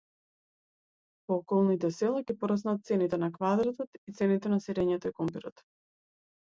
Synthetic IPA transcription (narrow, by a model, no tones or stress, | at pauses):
pɔːkɔlˠnit̪ɛsɛlˠaɡɛpɔɾasnat̪̚t̪sɛnit̪ɛnakvad̪ɾat̪ɔt̪it̪sɛnit̪ɛnasiɾɛɲɛt̪ɔikɔmpɛɾɔt̪